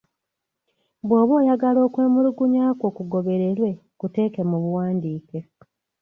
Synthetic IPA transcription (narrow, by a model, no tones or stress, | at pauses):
βweːβo̞ːjaɡalo̞ːkwe̞ːmuɾuɡuɲaːkwo̞ːkuɡo̞βe̞ɾe̞ɾwe̞ | kute̞ːke̞muβuwaːndiːke̞